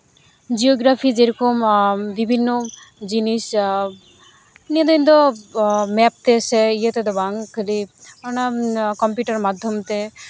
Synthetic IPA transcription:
d͡ʒioɡɾapʰid͡ʒeɾɔkombibʱinːod͡ʒinis | nied̪ɔjnd̪ɔ | mɛp̚t̪esɛijet̪ed̪ɔbaŋkʰeliɔnakɔmpjuʈaɾmad̪ʱːɔmt̪e

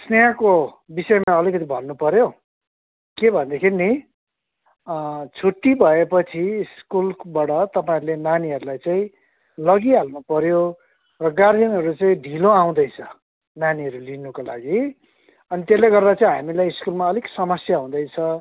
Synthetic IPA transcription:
snejako | bisʌemaʌlikʌt̪ibʱʌnːupʌɾjo | kebʱʌnd̪ekʰiɾini | t͡sʰoʈːibʱʌepʌt͡sʰiskulbaɽʌt̪ʌpaĩɾulenaniɦʌɾulajt͡saĩ | lʌɡiɦalnupʌɾjo | rʌɡardjʌnɦʌɾut͡saĩɖʱiloaw̃d̪ʌjt͡sʰʌ | naniɦʌɾulinukola̰ɡi | ʌnit̪eleɡʌrd̪at͡saĩɦamilajiskulmaʌliksʌmʌsjaɦũd̪ʌjt͡sʰʌ

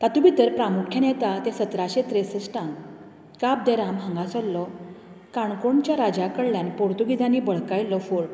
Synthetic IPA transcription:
t̪at̪ũbit̪əɾpɾamukʰjənɛt̪at̪ẽsət̪ɾaɕet̪ɾesəsʈãŋɡ | kap̚d̪eɾamɦə̃ŋɡasɔlːɔ | kaɳkoɳt͡ɕjaɾad͡ʑakəɽljanpoɾt̪uɡid͡z̪ʱãnibəɭ̤kajlːɔfoɭ

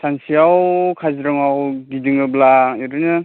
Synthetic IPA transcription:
sʰansijawkʰazɾɯŋawɡidiŋɯblajɔdɯnɯ

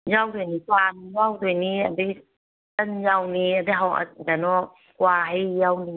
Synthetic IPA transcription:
jawdojnikwanjawdojniadəɡi | tanjawniadaɦawʔa̰danɔ | kwaɦajjawni

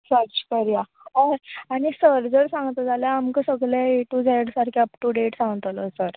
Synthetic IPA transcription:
səɾt͡ɕkəɾja | əɾaɽ̃isəɾd͡zəɽsãŋɡt̪ad͡zaljaamkəsəɡlaeʈud͡zaɽsaɾkʰjapʈuɖeʈsãŋɡt̪aləsəɾ

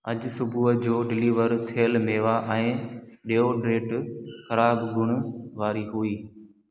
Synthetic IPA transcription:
ɐʄsʊbʱuːəd͡ʑoːɖɪliːʋəɾt̪ʰeːəlmeːʋaʔɛ̃ːɗeoːɖɾeːʈxɐɾaːbɡʱʊɽ̃ʊʋaːɾiɦʊiː

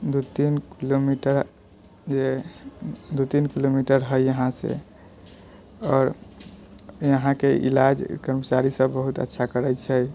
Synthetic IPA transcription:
d̪ut̪inkilomiʈəɾ | d͡ʒe | d̪ut̪inkilomiʈəɾɦəjəɦãsḛ | ɔːɾ | jəɦãkeʔḭlad͡ʒkəɾmət͡ʃaɾisəbːəɦut̪ə̰tːʃʰakəɾɛjt͡ʃʰɛj

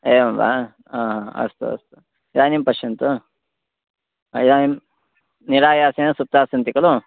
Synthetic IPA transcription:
eːɐmʋa̰ | ãːɦãːɐ̰st̪ṵɐ̰st̪u̥ | id̪aːnimpɐʃɐnt̪u | aiðaːnim | niɾaːjaːsenɐsup̚t̪aːsɐnt̪ikɐlu

